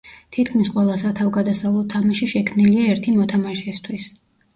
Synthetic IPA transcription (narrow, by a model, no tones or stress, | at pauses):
t̪ʰit̪̚ʰkʰmisqʼwɛlˠasat̪ʰavɡad̪asavlˠɔt̪ʰamaʃiʃɛkʰmniliaɛɾt̪ʰimɔt̪ʰamaʃɛst̪ʰwis